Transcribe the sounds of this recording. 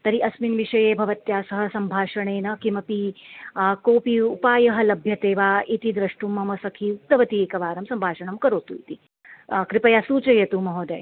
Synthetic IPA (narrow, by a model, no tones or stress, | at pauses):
t̪ɐɾiʔɐsminʋiʂɐjeːbʱɐʋɐt̪jaːsɐɦɐsɐmbʱaːʂɐɳ̃eːnɐkimɐpi | koːpiupaːjɐɦɐ̆lɐbʱjɐt̪eːʋaːit̪id̪ɾɐʂʈumːɐmɐsɐkʰiːut̪ːɐʋɐt̪ieːkɐʋaːɾɐmsɐmbʱaːʂɐɳɐmkɐɾoːt̪ṵːjt̪i | kɾipɐjasuːt͡ʃɐjɐt̪umɐɦoːd̪ɐ̰j